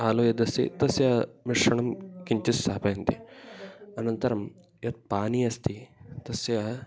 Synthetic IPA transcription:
aːloːjɐd̪ɐsḭt̪ɐsjɐmiʂːɐɳɐmkiɲt͡ʃist̪aːpɐjɐnt̪i | ɐnɐnt̪ɐɾɐm | jɐt̪̚paːniɐst̪ʰit̪ɐsjɐ

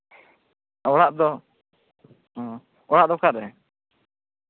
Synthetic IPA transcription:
ɔɽaʔd̪ɔ | ɔɽaʔd̪ɔkaɾɛ

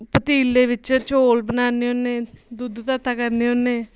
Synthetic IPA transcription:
pət̪iːleːʋɪt͡ʃt͡ʃoːlbənaːneoneːd̪ʊd̪t̪at̪ːaːkəɾneːonːeː

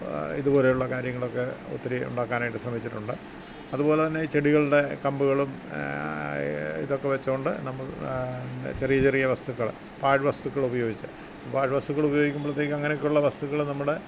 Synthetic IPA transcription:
ḭðubo̞ːle̞juɭːɐkaːɾjɐŋːɐɭo̞kːe̞o̰t̪ːiɾiṵɳɖaːkːaːnaːjʈːɨsrɐmit͡ɕːiʈːuɳɖɨ | ɐðubo̞ːlet̪ɐnːet͡ɕe̞ɽiɣɐɭɨɽe̞kɐmbuɣɐɭum | ḭðo̞kːeʋet͡ɕːɐuɳɖɨnɐmːɐɭ | t͡ɕe̞rijɐt͡ɕerijɐʋɐst̪ukːɐɭ | paːɻʋɐst̪ukːɐɭubɐjo̞ːɡit͡ɕːɨ | paːɻʋɐst̪ukːɐɭubɐjo̞ːɡikʲːumbɐɭɐt̪ːeːkʲːɐŋːɐnekʲːuɭːɐʋɐst̪ukːɐɭnɐmːuɽe

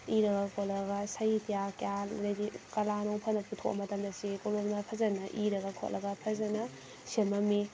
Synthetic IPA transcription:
iɾɐɡɐkʰot̚lɐɡɐsɐjtijakalɾejdikɐlanoŋpʰɐnɐputʰo̰kʔɐ̰mɐtɐmdɐsikololmɐpʰɐzɐnɐʔiɾɐɡɐkʰo̰ʔlɐɡɐpʰɐzɐnɐ | semɐmi

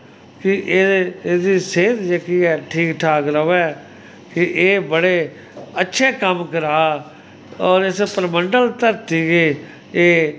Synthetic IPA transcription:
kɪʔeeːd̪iːseːd̪d͡ʒəkiːɛːʈʰiːkʈʰaːkɾəʋɛː | kɪʔeːbəɽeː | ətːʃʰeːkəmkəɾaː | ɔːɾɪspəɾməɳɖəlt̪əɾt̪iːɡeː | eː

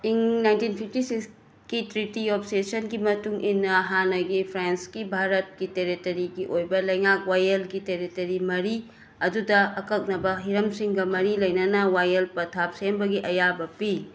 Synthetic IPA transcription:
iŋnajntinpʰip̚tisiks | kitɾitiɔp̚ʰsesɐnɡimɐtuŋʔinːɐɐɦanɐɡipʰɾenskibʱaɾɐt̚kiteɾitɐɾiɡiʔojbɐlɐjŋak̚wajelɡiteɾitɐɾimɐɾi | ɐdudɐɐkɐk̚nɐbɐɦiɾɐmsiŋɡɐmɐɾilɐjnɐnɐwajɐlpɐtʰap̚sembɐɡiʔɐjabɐpi

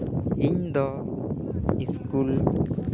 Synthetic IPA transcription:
iɲd̪ɔ | iskul

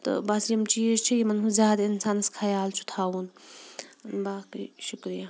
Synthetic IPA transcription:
t̪ɐ̰baːsijɐmt͡ʃiːd͡ʒt͡ʃʰijimɐnɦũzʲjaːd̪ainsaːnɐskʰɐjaːlt͡ʃʰu̥t̪ʰaːwun | nbaːkḭʃukɾija

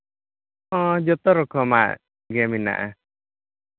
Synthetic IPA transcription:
ɔd͡ʒɔt̪ɔɾɔkʰɔma̰ʔ | ɡɛmina̰ʔa̰

